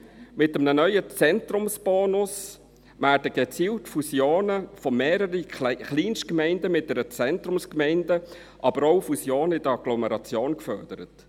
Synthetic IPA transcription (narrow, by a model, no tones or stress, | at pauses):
mɪtəmnənœʏət͡sɛnt̪rʊmsb̥oːnʊs | ʋæːrdəɡ̥et͡siːltfusjoːnəfɔmeːɾəɾiχliːnskmɛɪndəmɪt̚d̥̪ɛɾət͡sɛntɾʊmskmɛɪndə | ʔɑb̥əɾoʊfusjoːnəɪdəɑɡlɔmɛɾɑt͡sjoːnkfœrd̥əɾət